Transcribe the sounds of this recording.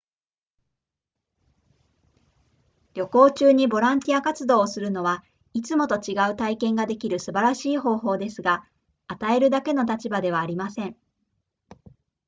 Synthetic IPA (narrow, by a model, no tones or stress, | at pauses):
ɾʲo̞ko̞ːt͡ɕɨːɲ̟ibo̞ɾãnt̪ʲiakat͡sɨd̪o̞ːsɨɾɯ̟no̞β̞a | it͡sɨmo̞t̪o̞t͡ɕiɡaɯ̟t̪aikẽ̞ŋɡad̪e̞kʲiɾɯ̟sɨbaɾaɕiːɦo̞ːɦo̞ːd̪e̞sɨɡa | at̪ae̞ɾɯ̟d̪ake̞no̞t̪at͡ɕibad̪e̞βaːɾʲimasẽ̞ɴ